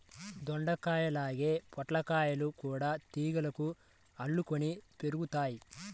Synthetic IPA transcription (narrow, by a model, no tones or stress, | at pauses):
d̪ɔɳɖɐkaːjɐlaːɡe̞ːpɔʈlɐkaːjɐlukuːɽaːt̪iːɡɐlɐku | ɐɭːukonipe̞ɾuɡut̪aːji